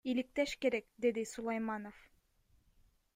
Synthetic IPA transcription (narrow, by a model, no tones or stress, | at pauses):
ilik̚t̪eʃke̞ɾek̚d̪e̞d̪isulˠɑjmɑnof